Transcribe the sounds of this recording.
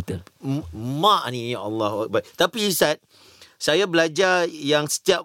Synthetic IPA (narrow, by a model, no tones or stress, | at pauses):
t̪ə | mãʔnĩjaalːaha̰k̚bat̪apiːsɛt̪̚ | sajabəlad͡ʒajaŋsə̥t̪iaʔ